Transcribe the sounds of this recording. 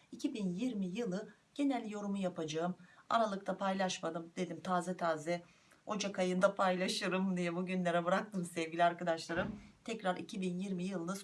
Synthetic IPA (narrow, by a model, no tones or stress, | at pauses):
icʰibinjiɾmijɯlˠɯ | ɟ̥e̞nɛlʲːijo̞ɾumujapʰad͡ʒaɯma̰ɾalˠɯk̚t̪ʰapʰajlˠaʃmad̪ɯmd̪̥e̞lʲimt̪ʰaːzɛt̪ʰaːzɛ | o̞d͡ʒakʰajɯnd̪apʰajlˠaʃɯɾɯmd̪ijɛbuɟynlʲeɾɛbɯɾak̚t̪ʰɯmsɛvɟʲilʲiaɾkad̪aʃlˠaɾɯmt̪ʰɛcɾaɾḭcʰibinjiɾmijɯlˠɯnɯs